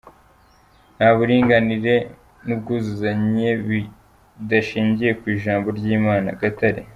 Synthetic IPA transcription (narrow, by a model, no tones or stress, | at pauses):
nhaːβuɾiːŋɡaniɾe̞ | nub̚ɡuːzuzaɲe̞βi | daʃiːɲɟije̞kwiːʒaːmbo̞ɾɟiːmaːna̰ɡataɾi